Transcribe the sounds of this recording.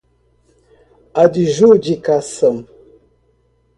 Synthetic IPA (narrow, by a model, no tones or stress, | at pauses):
adiʒud͡ʒikasəm